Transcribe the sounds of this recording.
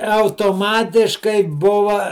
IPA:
ɐʊtoːˈmɑːtʲɪʃkɐɪ ˈbʊʋɐ

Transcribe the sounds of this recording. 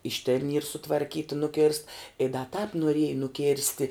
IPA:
ɪʃ tʲeːn iːr sʊtʋɐrʲˈkʲiːtɐ nʊˈkʲeːrst ɪ dɐ tɑːp noːˈrʲiɛjɛ nʊˈkʲeːrʲsʲtʲɪ

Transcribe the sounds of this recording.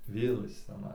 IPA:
ˈʋʲeːlˠ ˈjɪs t͡sʲɛˈnɐɪ

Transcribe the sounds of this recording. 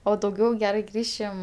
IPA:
oː dɐʊˈɡʲɛʊ ˈɡʲæːrɐɪ ˈɡrʲiːʃʲɪm

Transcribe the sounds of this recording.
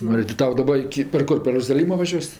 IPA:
ˈnʊ ɪ tʲɪ ˈtɐʊ dɐˈbɐ ɪkʲɪ pʲɛr ˈkʊr pʲɛr roːzɐˈlʲiːmoː ʋɐˈʒʲuɔsʲ

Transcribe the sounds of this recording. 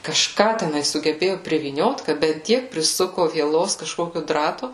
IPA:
kɐʃˈkɑː tʲɛˈnɐɪ sʊɡʲɛˈbʲeːjʊ pʲrʲɪʋʲiːˈnʲoːt kɐ bʲɛt ˈtʲiɛk pʲrʲɪˈsʊkʊ ʋʲiɛˈlˠoːs kɐʃˈkoːkʲʊ ˈdrɑːtʊ

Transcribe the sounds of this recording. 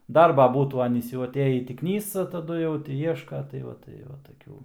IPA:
ˈdɐrbɐ ˈbuːtuː ˈɑːnʲiːs jɛʊ ɐˈtʲeːjiː ˈtʲiː ˈknʲiːsɐ tɐˈdʊ jɛʊ ˈtʲɪ ˈiɛʃkɐ tɐɪ ˈʋɐ tɐɪ ˈʋɐ tɐˈkʲuː

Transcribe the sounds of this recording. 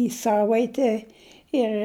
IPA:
iː ˈsɑːʋɐɪtʲɛ ˈɪr

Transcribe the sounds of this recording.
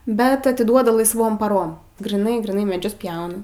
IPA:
bʲɛt ɐtʲɪˈduɔdɐ lˠɐɪsˈʋoːm pɐˈroːm ɡrʲiːˈnɐɪ ɡrʲiːˈnɐɪ mʲɛˈd͡ʒʲʊs ˈpʲjɛʊnɐ

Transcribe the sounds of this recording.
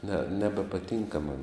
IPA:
nʲɛ nʲɛbʲɛpɐˈtʲɪŋkɐ mɐn

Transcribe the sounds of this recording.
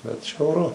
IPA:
bʲɛt ʒʲɛʊˈrʊ

